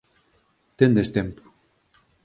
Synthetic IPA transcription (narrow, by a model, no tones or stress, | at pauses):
t̪end̪est̪empo̥